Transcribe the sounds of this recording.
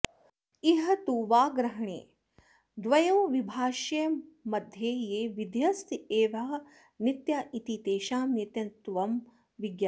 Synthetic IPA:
iɦɐt̪uʋaːɡɾɐɦɐɳḛː | d̪ʋɐjɐ̃ːʋibʱaːʃɐmɐd̪ʱjeːjeːʋid̪ʱjɐst̪eːʋaː | nit̪jaʔit̪it̪eːʃaːmit̪jɐnt̪ʋɐm | ʋiɡjɐ

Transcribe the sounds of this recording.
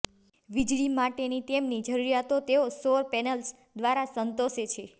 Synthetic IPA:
ʋid͡ʒɭimaʈenit̪emnid͡ʒəɾuɾjat̪ot̪eosoɾpɛnəls | d̪ʋaɾasənt̪oʃet͡ʃʰe

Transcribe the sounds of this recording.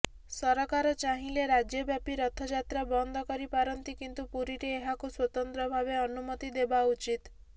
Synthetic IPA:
sɔɾɔkaɾɔt͡ʃaɦĩleɾad͡ʒjɔbjapiɾɔt̪ʰɔd͡ʒat̪ɾabɔnd̪ʱɔkɔɾipaɾɔnt̪ikint̪upuɾiɾeːɦakuswɔt̪ɔnt̪ɾɔbʱabeɔnumɔt̪id̪ebaut͡ʃit̪

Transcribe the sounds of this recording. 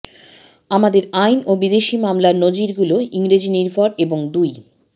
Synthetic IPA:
amad̪eɾajnobid̪eʃimamlaɾnod͡ʑiɾɡuloiŋɾed͡ʑiniɾpɔɾeboŋd̪uj

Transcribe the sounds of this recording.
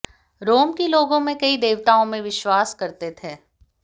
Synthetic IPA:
ɾoːmkiloːɡõmẽkɐid̪eːʋt̪aːõmẽʋɪʃwaːskɐɾt̪et̪ʰeː

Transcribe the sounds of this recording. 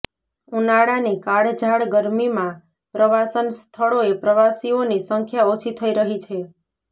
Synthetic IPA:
unaɽanikaɽd͡ʒʱaɭɡəɾmimã | pɾəʋasənst̪ʰəɭoepɾəʋasionisəŋkʰjaot͡ʃʰit̪ʰəiɾəɦit͡ʃʰe

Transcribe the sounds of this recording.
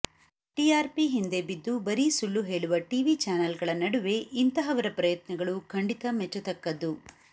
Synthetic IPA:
ʈiaːɾpiɦind̪e̞bid̪ːubɐɾisulːuɦe̞ːɭuʋɐʈiʋit͡ʃaːnɐlɡɐɭɐnɐɽuʋe̞ʔint̪ɐɦɐʋɐɾɐpɾɐjɐt̪nɐɡɐɭukʰɐɳɖit̪ɐmɛt͡ʃːɐt̪ɐkːɐd̪u

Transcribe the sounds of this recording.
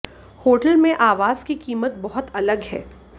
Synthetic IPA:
hoːʈəlmẽʔaːʋaːz̥kikiːmət̪̚bɐɦʊt̪ɐləɡɦɛ̰ː

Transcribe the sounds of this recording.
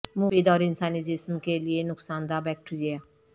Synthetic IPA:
muʋiːd̪ɔːɾɪnsaːniːd͡ʒɪsmkelɪenʊksaːnd̪aːbɛːk̚ʈiɾiaː

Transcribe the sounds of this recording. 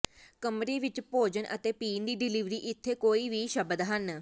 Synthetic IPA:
kəmɾiːʋɪt͡ʃpoːd͡ʒənʔə̰t̪eːpiːnd̪iːɖɪliʋɾiːʔɪt̪ʰːeːkoːiːʋiːʃəbəd̪ɦən

